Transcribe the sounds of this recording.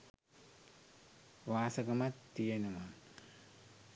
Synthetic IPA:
ʋaːsɐɡɐmat̪ːijenəma

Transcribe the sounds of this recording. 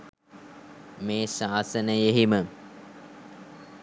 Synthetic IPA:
meːʃaːsənəjeɦimə

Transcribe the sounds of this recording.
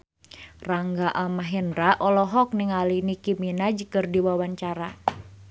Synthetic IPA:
raŋɡaʔamaɦɛndɾaʔɔlɔɦɔk̚niŋalinikiminad͡ʒəkɨrdiwawaɲt͡ʃaɾa

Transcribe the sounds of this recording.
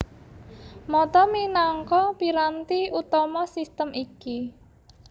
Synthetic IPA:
mɔt̪ɔminaŋkɔpiɾant̪iut̪ɔmɔsist̪əmiki

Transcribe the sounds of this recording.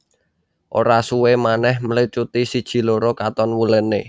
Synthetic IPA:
ʔoɾasuwemanɛhməlit͡ʃut̪isid̥ʒ̥i̤loɾokat̪ɔnwuləne

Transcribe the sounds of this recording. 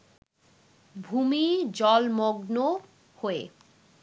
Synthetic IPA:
bʱumid͡ʑɔlmoɡno | hoe

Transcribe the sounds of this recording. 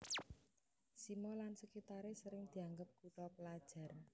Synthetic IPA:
simɔlansəkit̪aɾesəɾɪŋd̪̥i̤aŋɡəp̚ɡ̥uʈɔpəlad̥ʒ̥a̤r

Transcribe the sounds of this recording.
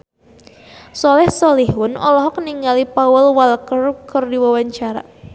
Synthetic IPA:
sɔlɛhsɔlihwʊnɔ̰lɔɦɔkniŋalipawʊlwalkərkərdiwawaɲt͡ʃaɾa̰

